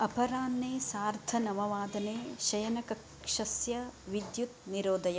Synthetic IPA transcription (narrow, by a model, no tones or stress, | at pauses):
ɐpɐɾaːnːeːsaːɾt̪ʰɐnɐmɐʋaːd̪ɐneːʃɐjɐnɐkɐk | ʂɐsjɐʋid̪jut̪̚niɾoːd̪ɐjɐ